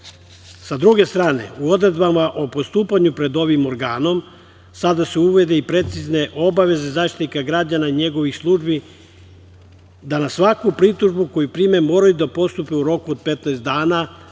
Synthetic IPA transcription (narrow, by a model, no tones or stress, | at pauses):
sad̪ɾuɡe̞st̪ɾaːne̞̰uo̞d̪ɾe̞d̪bamaʔo̞post̪uːpaɲupɾe̞d̪o̞ʋimo̞ɾɡaːno̞m | sad̪aseuʋe̞d̪e̞ipɾe̞t̪sizne̞ʔo̞baʋe̞ze̞zaʃt̪it̪ikaɡɾad͡ʑanaiɲe̞ɡo̞ʋixslˠuʒbi | d̪anasʋakupɾit̪uʒbuko̞jupɾime̞moːɾajud̪apo̞st̪upeuɾo̞kuod̪̚pe̞t̪naest̪d̪aːna